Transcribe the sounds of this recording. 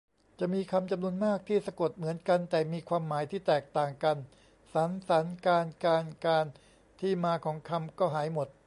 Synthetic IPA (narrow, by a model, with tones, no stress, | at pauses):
t͡ɕa˨˩ʔmiː˧kʰa˧mt͡ɕa˧mnu˧ənmaː˥˩k̚t̪ʰiː˥˩sa˧ko˨˩t̪̚mɯ˩˦ənka˧nt̪ɛː˨˩miː˧kʰwaː˧mːaː˩˦jt̪ʰiː˥˩t̪ɛː˨˩k̚t̪aː˨˩ŋka˧n | sa˩˦nsa˩˦nkaː˧nkaː˧nkaː˧n | t̪ʰiː˥˩maː˧kʰɔː˩˦ŋkʰa˧mkɔː˥˩ɦaː˩˦jmo˨˩t̪̚